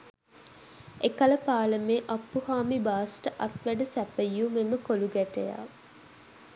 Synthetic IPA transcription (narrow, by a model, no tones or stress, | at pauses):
ekɐləpaːləmeːʔɐpːuhaːmibaːsʈəʔɐt̪ʋæɖəsæpəjːumeməkoluɡæʈeja̰ː